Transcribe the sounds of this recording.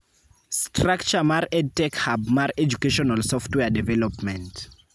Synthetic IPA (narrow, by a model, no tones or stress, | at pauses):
stʰrakt͡ʃamaɾɛd̚tɛkhabmaɾɛd͡ʒukeʃɔnalsɔftwɛadɛvɛlɔpmɛ̃nt